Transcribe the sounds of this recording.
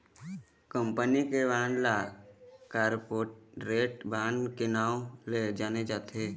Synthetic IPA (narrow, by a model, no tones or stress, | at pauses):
kəmpənikeʋaːnla | kaːɾpoːʈ̚ɾeːʈbaːnkenaːled͡ʒaːned͡ʒaːt̪ʰeː